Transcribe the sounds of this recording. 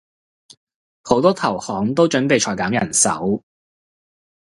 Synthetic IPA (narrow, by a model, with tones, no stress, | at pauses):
ho˨˥wt̪ɔː˥t̪ʰɐ˨˩whɔː˨˥ŋt̪o˥wt͡ʃɵ˨˥npe˨jt͡ʃʰɔː˨˩jkaː˨˥mjɐ˨˩nsɐ̰˨˥w